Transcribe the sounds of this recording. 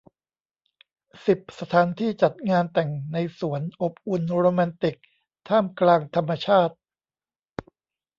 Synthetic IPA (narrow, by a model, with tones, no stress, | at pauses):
si˨˩p̚sa˧t̪ʰaː˩˦nt̪ʰiː˥˩t͡ɕa˨˩t̪̚ŋaː˧nt̪ɛ˨˩ŋna˧jsu˩˦ənʔo˨˩p̚ʔu˧nɾoː˧ma˧nt̪i˨˩k̚ | t̪ʰaː˥˩mklaː˧ŋt̪ʰa˧mːa˧t͡ɕʰaː˥˩t̪̚